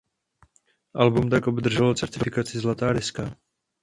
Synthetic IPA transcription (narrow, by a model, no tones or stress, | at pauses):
ʔalbumt̪̬akʔobd̪r̩ʒɛlot͡sɛɾt̪ɪfɪkat͡sɪzlat̪aːɾɪska